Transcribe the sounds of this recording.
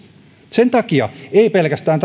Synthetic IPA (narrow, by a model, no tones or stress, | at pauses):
se̞nt̪ɑkiɑeipe̞lkæst̪æːnt̪